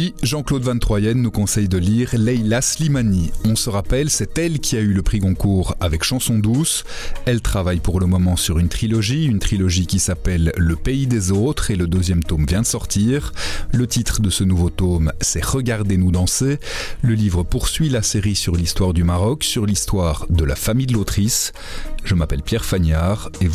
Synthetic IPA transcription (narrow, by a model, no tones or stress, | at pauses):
iʒɑ̃klod̪vɛ̃nt̪χwajɛnːukɔ̃sɛjd̪əliʁlɛjlaslimaniɔ̃səʁapɛlsɛt̪ɛlkʲʰiayləpχikɔ̃kuːʁavɛkʃɑ̃sɔ̃d̪us | ɛlt̪χavajpuʁləmɔmɑ̃syʁynt̪χilɔʒiynt̪χilɔʒikʲisapɛlːəpeid̪ezot̪χeləd̪øzjɛmt̪omvjɛ̃d̪əsɔʁt̪iʁlət̪it̪χəd̪əsənuvot̪omsɛʁəɡaʁd̪enud̪ɑ̃seləlivʁəpuʁsɥilaseʁisyʁlist̪waʁd̪ymaʁɔksyʁlist̪waːʁd̪əla̰famijd̪əlot̪χis | ʒ̥əmapɛlpjɛʁfaɲaʁe